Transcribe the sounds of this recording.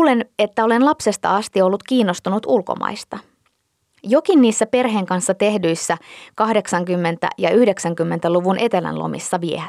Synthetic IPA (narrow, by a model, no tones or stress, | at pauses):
le̞ne̞t̪ːæo̞le̞nlɑpse̞st̪ɑ̰ɑst̪io̞lːut̪kiːnːo̞st̪unut̪ulko̞̰mɑ̰jst̪ɑ | jo̞kinniːsːæpe̞rɦe̞ːŋkɑnsːɑt̪e̞hdyjsːækɑhde̞ksɑŋkymːe̞nt̪æ̰jɑyhde̞ksæŋkymːe̞nt̪æluʋunʔe̞t̪e̞læ̰nlo̞̰mḭsːɑʋiehæ